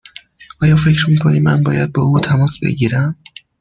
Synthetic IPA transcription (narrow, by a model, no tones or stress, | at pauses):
ʔɒːjɒːfe̞cɾmiːkʰoniːænbɒːjæd̪̚bɒːʔuːt̪ʰæmɒːsbḛɟiːɾæm